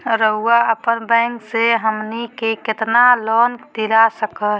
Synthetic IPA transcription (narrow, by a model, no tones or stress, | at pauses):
ɾəɦuaəpənbə̃ŋkseɦəmnikeket̪nalɔnd̪ilasəkəl